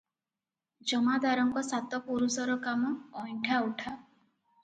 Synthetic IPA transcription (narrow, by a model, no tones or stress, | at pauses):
d͡ʒɔmad̪aɾɔŋkɔsat̪ɔpuɾusɔɾɔkamɔːjʈʰauʈʰa